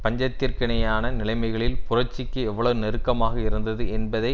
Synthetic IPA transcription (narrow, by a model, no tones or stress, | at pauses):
pɐɲd͡ʒɐt̪ːɪrkɪɳɐjaːnɐnɪlɐɪmɐɪɣɐɭɪlpʊrɐʈt͡ʃːɪkːɯɛʋːɐɭɐʋɯnɛɾɯkːɐmaːɣɐɪɾɯnd̪ɐðɯɛnbɐðɐɪ